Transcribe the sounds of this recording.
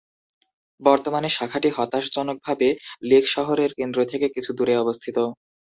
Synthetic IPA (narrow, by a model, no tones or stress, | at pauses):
bɔɾt̪omaneʃakʰaʈiɦɔt̪aʃd͡ʑɔnok̚bʱabelekʰʃɔɦoɾeɾkend̪ɾot̪ʰekekit͡ɕʰud̪uɾeɔbost̪ʰit̪o